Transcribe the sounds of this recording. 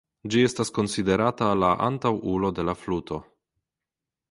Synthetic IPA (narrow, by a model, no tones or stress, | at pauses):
d͡ʒie̞stasko̞nside̞ɾatalaʔa̰ntawulo̞de̞laflutʰo̞